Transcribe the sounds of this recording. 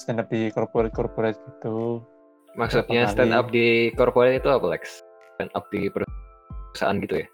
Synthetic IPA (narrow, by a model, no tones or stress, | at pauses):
st̪ɛnap̚dikɔrpoɾɛt̪̚kɔrpoɾɛt̪̚ɡit̪u | maksut̪̚ɲast̪ɛda̰p̚dikɔrpoɾɛt̪it̪uapalɛ̰ks | ɛna̰p̚dipəɾu | sa̰ʔa̰nɡit̪uja